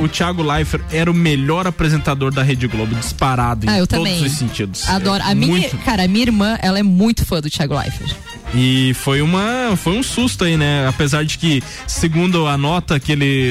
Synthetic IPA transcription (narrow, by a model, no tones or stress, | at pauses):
ʊt͡ʃiaɡʊlajfeɾɛɾɐʊmeʎɔɾapɾezẽnt̪ad̪oɾd̪ɐɦed͡ʒɪɡlobʊd͡ʒispaɾad̪ʊẽaewt̪ɐ̃obdẽjʊ̃zʊssẽnt͡ʃid̪ʊsad̪ɔɾʊʔɐmĩmuɲ̃j̪ʊkaɾɐɐmĩɲɐiɾmɐ̃ʔɛlɐɛmũj̃t̪ʊ̥fɐ̃d̪ʊt͡ʃiaɡʊla̰jfḛɾ | ɪfojũmɐfojũsust̪ʊainɛapezaɾd͡ʒɪkɪ | sɪɡũd̪ʊɐnɔt̪ɐkɪelɪ